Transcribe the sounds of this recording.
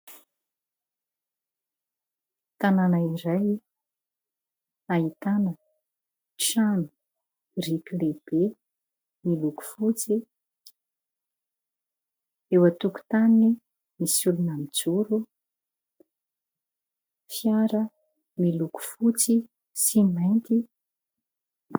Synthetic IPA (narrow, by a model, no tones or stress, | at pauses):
t̪ananaiɾaj | aɦit̪anə | ʈ͡ʂanu̥ | rikʲileb̥e | miluku̥fut͡si | ewat̪uku̥t̪anni | misulunamid͡zuɾu | fjaɾə | miluku̥fut͡si | simajnt̪i